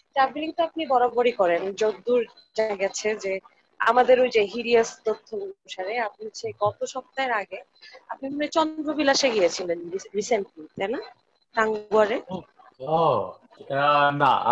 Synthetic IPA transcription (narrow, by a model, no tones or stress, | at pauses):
taɾbiliŋt̪oapnibɔɾaboɽikɔɾend͡ʑod̪ːuɾ | d͡ʑaɡat͡ɕʰed͡ʑe | a̰mad̪eɾojd͡ʑeɦiɾiast̪ot̪ʰːouuʃaɾeap̚niʃeɡɔt̪oʃɔb̚t̪aeɾaɡe | ap̚nionet͡ɕɔnd̪ɾobilaʃeɡijet͡ɕʰileniɾiseɳʈlit̪ajna | ʈ̪aŋɡuaɾe | ɔ | na̰